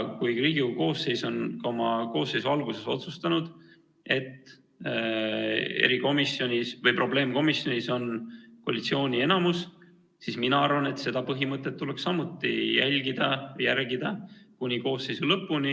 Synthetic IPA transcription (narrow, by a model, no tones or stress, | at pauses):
kujriːɡ̥iko̞ːse̞jso̞nkɑomɑko̞ːsːe̞jsuɑlɡuse̞so̞̰t̪sust̪ɑnud̪̥ | e̞t̪ː | ḛɾiko̞misjo̞nʲisvɤjpro̞ble̞ːmko̞misjo̞nʲiso̞nko̰lit̪sio̞ːnʲie̞nɑmus | sisminɑɑrvɑne̞t̪se̞d̪̥ɑpɤɦimɤt̪ːˑe̞t̪ːuleksːɑmut̪ːˑijælʲɡ̥id̪̥ɑjærɡid̪̥ɑkunʲiko̞ːsːe̞jsulɤpːuni